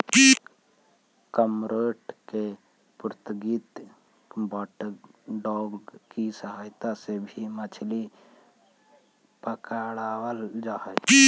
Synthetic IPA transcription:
kəmɾəːʈke | pʊɾt̪əɡiːt̪ | baʈɖɔːbkisəɦaːjt̪asebʱimət͡ʃʰli | pəkaɽaːwəld͡ʒaːɦɛ

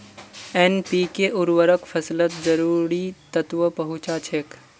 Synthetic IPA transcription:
enpiːkeʔʊɾwəɾəkpʰəslət̪d͡ʒəɾuːɾit̪ət̪ʋəpɐɦʊt͡ʃat͡ʃʰek

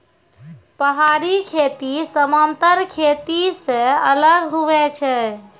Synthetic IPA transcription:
pəɦaɾikʰet̪isəmant̪əɾkʰet̪isẽələɡɦuʋɛt͡ʃʰɛ

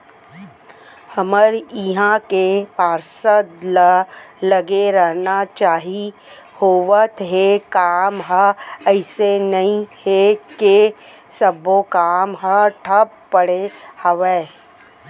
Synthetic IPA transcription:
həməɾɪɦãkepaːɾsəd̪ləlɐɡeɾəɦnat͡ʃaːɦihoːʋət̪ɦekaːmɦəɛɪsenɐɦĩheke | səbokaːmɦəʈʰəpːəɽehəʋeː

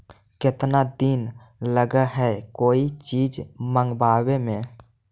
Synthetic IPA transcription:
kɪt̪nad̪iːn | ləɡəɦɛkoːit͡ʃiːd͡ʒmə̃ŋɡbaːwemẽ

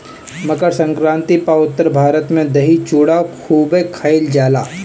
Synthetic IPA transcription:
mɐɡəɾsɐ̃ŋkɾãːnt̪ipaʊt̪ːəɾbʱaːɾət̪mẽd̪ɐɦit͡ʃuːɽakʰuːbekʰaːɪld͡ʒaːla̰ː

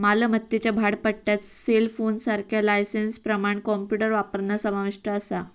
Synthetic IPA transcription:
maləmət̪ːjit͡ɕabʱaɽpəɽʈjat͡s | selfonsaɾkʰjalajsenspɾəmaɳkɔmpjuʈəɾʋapəɾnəsəmaʋiʂʈəːsa

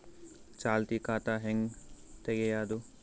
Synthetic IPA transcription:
t͡ʃaːlt̪ikaːt̪aɦeŋɡt̪eɡejaːd̪u

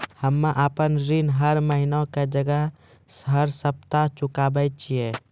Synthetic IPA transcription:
həmːaʔəpənɾinɦəɾməɦinoked͡ʒəɡəɦ | səɾsəp̚t̪at͡ʃukabəjt̪̚t͡ʃʰije

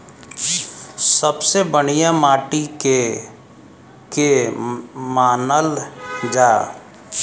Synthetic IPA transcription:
səbsebəɽ̃ijamaːʈike | ke | maːnəld͡ʒaː

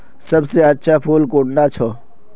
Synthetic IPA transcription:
səbseətːʃʰaːpʰuːlkoːʈnaːt͡ʃʰoː

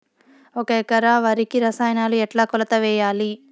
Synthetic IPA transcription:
okeːkɐɾaːʋɐɾikiɾɐsaːjnaːluɛʈlaːkɔlɐt̪ɐʋɛːjaːli

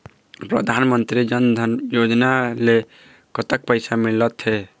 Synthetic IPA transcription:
pɾə̰d̪ʱanmənt̪ɾid͡ʒʌnd̪ʱʌnjod͡ʒnale | kʌt̪ək̚pəjsamilət̪ɦe

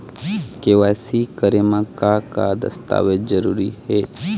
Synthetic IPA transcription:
keʋaːsikəɾemãkakad̪ə̰st̪a̰ːʋed͡ʒzəɾuːɾiheː

